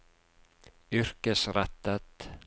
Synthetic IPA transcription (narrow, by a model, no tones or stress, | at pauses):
ʏr̥kəsɾat̪ːat̪